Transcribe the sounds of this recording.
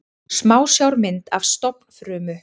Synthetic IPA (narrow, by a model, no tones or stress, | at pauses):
smaːwsjawɾmɪnt̪avst̪ɔpn̥fɾœːmʏ